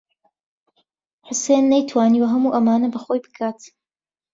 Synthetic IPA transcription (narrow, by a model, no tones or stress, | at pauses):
ħʊsenːɐjt̪ʰwaːniːwɐɦɐmuːʔɐmaːnɐbɐxojbɨ̥kʰaːt̪